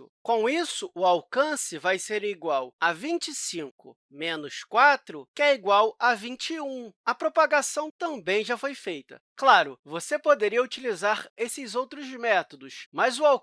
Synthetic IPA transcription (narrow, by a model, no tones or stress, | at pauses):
kõw̃isʊʊawkɐ̃sɪvajseɾiɡwawɐvĩt͡ʃisĩŋkʊ̰ | mẽnʊskwat̪ɾʊkɪɛiɡwawɐvĩt͡ʃɪũɐpɾopaɡasɐ̃w̃t̪ɐ̃mbẽj̃ʒafojfejt̪ɐ̰ | klaɾʊvosepod̪eɾiɐut͡ʃilizaɾesɪzowt̪ɾʊzmɛt̪od̪ʊsmɐzʊaw